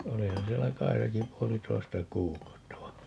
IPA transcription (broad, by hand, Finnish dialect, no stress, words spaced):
olihɑn sielːæ kɑisɑki puolitoistɑ kuːkɑutːɑ ʋɑ